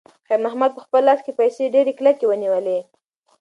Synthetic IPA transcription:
xajɾmahmad̪̚pəxpəlːɑs̚kepajseɖeɾeklakewəniwəle

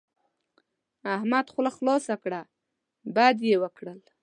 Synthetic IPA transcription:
ahmad̪xʊlaxlɑsakɽa | bad̪jewəkɽəl

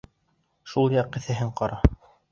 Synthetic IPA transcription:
ʃulˠjɑq̚ːɘ̆θæɦɘɴqɑɾɑ

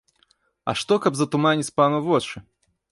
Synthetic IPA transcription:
ɐ̰ʂt̪ɔkɐbzɐt̪umanʲit͡sʲpanuvɔt͡ʂɨ

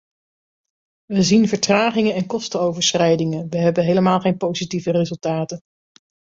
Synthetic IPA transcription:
ʋəzinvəɹtraːχɪŋəɛnkɔstəowvəɹsrɛjdɪŋənʋəɦɛbəɦejləmaːlˠχejnpowzitivərezɵlˠtaːtən

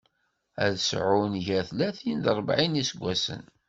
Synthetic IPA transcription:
æ̰ðsʕʊnʝæθlæθind̪ɾˤəbʕinisəɡʷːæsə̰n

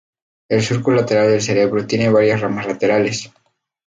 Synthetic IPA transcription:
e̞lsuɾkulat̪e̞ɾald̪e̞lθe̞ɾe̞β̞ɾot̪jene̞βaɾjasramazlat̪e̞ɾale̞s

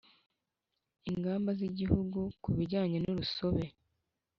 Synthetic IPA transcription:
iŋɡaːmbaziɟihuɡukuβiɟaːɲenuɾuso̞βe̞

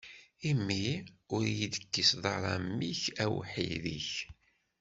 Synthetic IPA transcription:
imːiʊɾjid̪əkːisðˤɑɾˤɑmːiçæwħḭðḭç

